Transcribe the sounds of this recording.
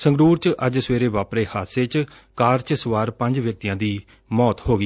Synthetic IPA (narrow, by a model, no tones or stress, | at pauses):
sə̃ŋɡɾuːɾt͡ʃʔəd͡ʒsʋeːɾeːʋaːpɾeːhaːseːt͡ʃ | kaːɾt͡ʃsəʋaːɾpə̃ɲd͡ʒʋjək̚t̪ijãːd̪iː | mɔːt̪hoːɡiː